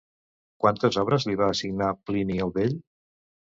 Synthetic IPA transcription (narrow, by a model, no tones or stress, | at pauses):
kwant̪əzɔβɾəzliβaːsiɡnapliniowβeʎ